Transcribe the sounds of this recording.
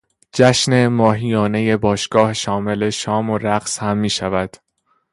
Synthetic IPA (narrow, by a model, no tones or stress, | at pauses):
d͡ʒæʃne̞mɒːɦijɒːne̞je̞bɒːʃɡ̥ɒːheʃɒːme̞le̞ʃɒːmoɾæɢshæmːiːʃævæd̪̥